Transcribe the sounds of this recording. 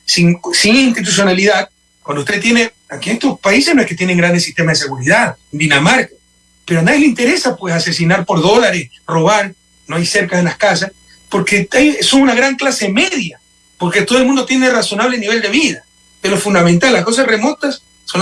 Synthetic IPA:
siŋsiŋinst̪it̪us̬jo̞naliðað | kwandoust̪e̞t̪̬jene | akinest̪ospais̬ehnoeke̞t̪je̞ne̞ŋɡɾand̪esiht̪e̞maðes̬e̞ɣuɾiðaðd̪inamaɾka | peɾoand̪ajeleint̪e̞ɾe̞sapwe̞sase̞sinaɾpo̞ɾðo̞laɾesro̞βaɾ | noajse̞ɾkaðelaskas̬as | po̞ɾke̞ajsoŋunaɣɾaŋklase̞me̞ðja | po̞ɾket̪oðoelmũnd̪o̞t̪jeneraso̞naβle̞niβe̞ld̪e̞βiða | d̪̥elo̞fund̪amẽnt̪alːasko̞s̬asre̞mo̞t̪asː | on

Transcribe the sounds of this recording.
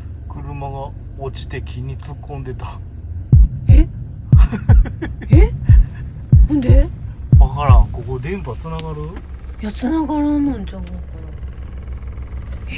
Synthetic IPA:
kɯ̟ɾɯ̟maɡa | ot͡ɕi̥t̪e̞kʲʰiɲ̟it͡sɨkːõ̞nd̪e̞t̪ḁ | e | e | hõnd̪eβakaɾãŋko̞ko̞d̪ẽ̞mpat͡sɨnaɡaɾɯ | jat͡sɨnaɡaɾãnãɲt͡ɕãŋakaɾa | e

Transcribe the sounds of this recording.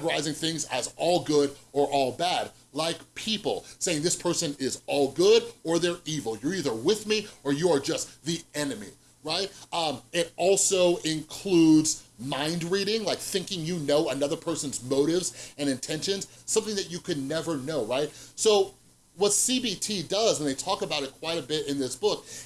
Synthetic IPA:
və˞aɪzɪ̃ŋθɪ̃ŋzɨ̰zɔlˠɡʊɾə˞ʔɔlˠbæd̚ | laɪkpʰipl̩ˠseɪɪ̃ŋðɪspʰɜ˞sɨ̃nɪzɔlˠɡʊɾə˞ðə˞ivl̩ˠjə˞iðə˞wɪðmiə˞jəə˞d͡ʒʌstðiɛnɨmḭ | ɹaɪt̚ʌ̃mɪɾɔlˠsoʊɪ̃nkʰl̥udz̥mãɪ̃ndɹiɾɪ̃ŋlaɪk̚θɪ̃ŋkɪ̃ŋjɨnoʊɨnʌðə˞pʰɜ˞sə̃n̩zmoʊɾɪvzɨ̃ñɨ̃ntʰɛ̃nʃɨ̃nz̥ | sʌ̃mθɪ̃ŋðɨt͡ʃɨkʰɨdⁿnɛvə˞noʊɹaɪt̚soʊ | wʌtsibitʰidʌzə̃nðeɪtʰɔkəbaʊɾɨt̚kʰw̥aɪɾɨbɪɾɨ̃nðɪsb̥ʊk̚

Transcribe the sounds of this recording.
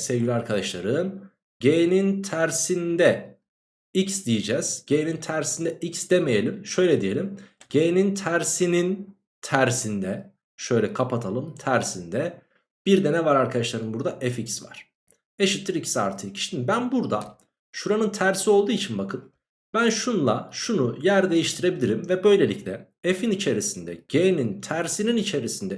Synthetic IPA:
sevɡɟilʲaɾkʰad̪aʃlˠaɾɯn | ɟejnint̪ʰæɾsind̪ɛ | icsd̪ijid͡ʒɛz̥ɟejnint̪ʰæɾsind̪ɛʔicsd̪eme̞jelʲimʃø̞jlʲɛd̪ije̞lʲimɟ̥ejnint̪ʰæɾsinin | t̪ʰæɾsind̪ɛ | ʃø̞jlʲɛkʰapʰat̪ʰalˠɯmt̪ʰæɾsind̪ɛ | b̥iɾd̪ɛnɛvaɾaɾkʰad̪aʃlˠaɾɯmbuɾd̪aʔɛficsva̰ɾ̥ | eʃit̪ʰlːʲiɾicʰi̥sia̰ɾt̪ʰɯci̥ʃt̪inbænbuɾd̪a | ʃuɾanɯnt̪ʰæɾsio̞lˠd̪uːit͡ʃʰinbakʰɯn | bænʃunlˠaʃunujæɾd̪e̞jiʃt̪ʰiɾe̞bilʲiɾimvɛbø̞jlʲe̞lʲiclʲɛ | efinit͡ʃʰe̞ɾisind̪ɛ̰ɟ̥enint̪ʰæɾsininit͡ʃʰe̞ɾisind̪ɛ

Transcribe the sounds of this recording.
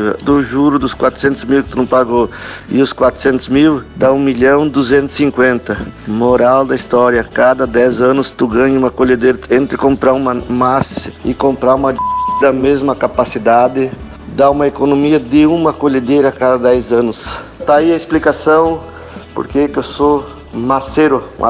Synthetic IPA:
ɐ̰d̪ʊʒuɾʊd̪ʊskwat̪ɾʊ̥sẽnt̪ʊzmiwkɪt̪unɐ̃w̃paɡoɪ̰ʊskwat̪ɾʊ̥sẽnt̪ʊzmiwd̪aũmiʎɐ̃w̃d̪uzẽnt̪ʊ̥sĩŋkwẽnt̪ɐmoɾawd̪ɐist̪ɔɾjɐkad̪ɐd̪ɛzɐ̃nʊst̪uɡɐ̃ɲɐũmɐkoʎed̪ejɾɐẽnt̪ɾɪkõmpɾaɾũmɐmasɐɪkõmpɾaũmɐd̪ɐmezmɐkapasid̪ad̪ɪ | d̪aũmɐekonomiɐd̪ɪũmɐkoʎed̪ejɾɐakad̪ɐd̪ɛjzɐ̃nʊs | t̪aiɐesplikasɐ̃w̃ | po̰ɾkekewso | maseɾʊa̰

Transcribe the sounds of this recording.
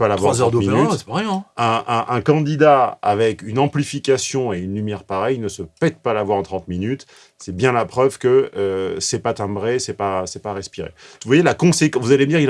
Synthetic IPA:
palavvwaazɔʁd̪uminyt̪sɛ̥paʁjɛ̃ɛ̃ɛ̃ʔɛ̃kɑ̃d̪id̪aa̰vɛkynɑ̃plifikʲasjɔ̃eynlymjɛʁpaʁɛjnəsəpɛt̪̚palavwaʁɑ̃t̪χɑ̃t̪minyt̪ | sɛbjɛ̃lapχœvkəːsɛpat̪ɛ̃bʁesɛpasɛpaʁɛspiʁḛvwajelakɔ̃sekvuzaled̪iʁil

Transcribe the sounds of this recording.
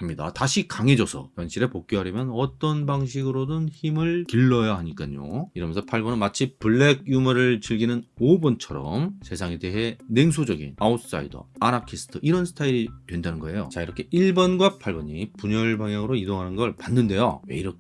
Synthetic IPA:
hamɲida̰taɕʰikaŋe̞d͡ʑʌsʰʌ̰twanɕʰiɾepok̚k͈oɦaɾjʌmjʌnʌt͈ʌnbaŋɕʰiɡɯɾodɯnçimɯɭkiɭːʌjaɦaɲik͈aɲo̰iɾʌmjʌnsʰʌpʰaɭbʌnɯnmat͡ɕʰipɯɭːeɡ̚jumʌɾɯɭt͡ɕɯɭɡinɯnobʌnt͡ɕʰʌɾʌ̰mse̞sʰaŋe̞de̞ɦe̞ne̞ŋs̬ʰud͡ʑʌɡḭnausʰs͈a̰ḭdʌ̰anakʰisʰɯ̥tʰɯʔiɾʌnsʰɯ̥tʰaiɾitwe̞ndanɯnɡʌe̞jo̰t͡ɕaiɾʌkʰe̞ʔiɭbʌnɡwapʰaɭbʌɲipuɲʌɭbaŋjaŋɯɾoidoŋɦanɯnɡʌɭpanːɯnde̞jo̰we̞̰iɾʌk

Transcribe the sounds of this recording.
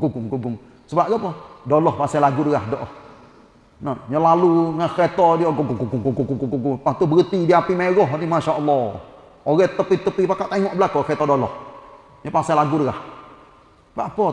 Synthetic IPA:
ɡuɡuŋɡuɡʊŋ | səbap̚ɡapɔdolɔhpasalaɡudəɣahdɔʔɔh | nɔɲəlaluŋakɛt̪ɔdiɔɡuɡuɡuɡuɡuɡuɡuŋɡuɡuɡupat̪ubəɣət̪idiapimaɛɣɔɦnimaʃaʔəlːɔ | oɣɛt̪ːəpit̪ːəpipakaʔt̪aiŋɔʔbəlakɔkɛt̪ɔdolɔh | ɲɔpasalaɡudəɣah | baʔpɔ

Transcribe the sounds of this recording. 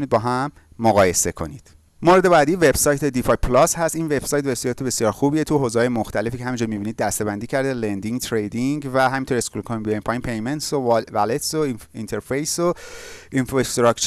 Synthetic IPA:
unid̪̚bɒːɦæmː | oɣɒːje̞se̞kʰo̞̰nid̪̥ | moɾed̪e̞bæːd̪ive̞b̥sɒːjt̪ʰe̞d̪ifɒjpʰlɒshæst̪iːnve̞b̥sɒːjt̪besijɒːt̪ebe̞sjɒːɾxubiːjet̪ʰuɦozehɒːjemoxt̪ʰæle̞fiːcʰeæmind͡ʒɔɾmibiːnid̪̚ːæst̪e̞bænd̪iːcʰæɾd̪elend̪iŋɡt̪ʰɾejd̪iŋɡvæɦæmint̪ʰoɾe̞skulkʰoninbiempʰɒjimpʰe̞jment̪sovælet̪soint̪ʰeɾfejsoinfɾoest̪ɾɒkt͡ʃ

